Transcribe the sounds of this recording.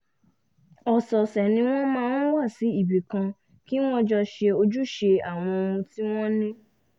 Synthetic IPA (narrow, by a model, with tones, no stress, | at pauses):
ɔ˨sɔ˨sɛ˨nĩ˧w̃ɔ̃˦mãː˦n̩˦wa˦˨si˨˦i˦˨bi˨kã˧ | ki˦w̃ɔ̃˦d͡ʒɔ˧ʃe˧o˧d͡ʒu˦ʃe˧a˨w̃ɔ̃˧o˧ũ˧ti˦w̃ɔ̃˦nĩ˦